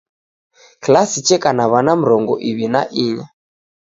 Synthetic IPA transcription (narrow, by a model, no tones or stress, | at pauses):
klasit͡ʃɛkanaβanam̩ɾɔŋɡɔ̰ʔiβina̰ʔiɲa